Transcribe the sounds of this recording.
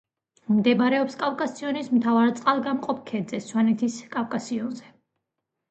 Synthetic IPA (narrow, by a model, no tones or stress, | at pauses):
md̪ɛmɾɛɔpskʼavkʼasiɔnismt̪ʰavaɾt̪sʼqʼalˠɡamqʼɔp̚ʰkʰɛd̪zɛswanɛt̪ʰiskʼavkʼasiɔnzɛ